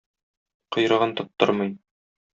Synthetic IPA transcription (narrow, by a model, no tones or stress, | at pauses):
qɤ̆jɾɤ̆ʁɤnt̪ɒpt̪ːɤ̰ɾmɤj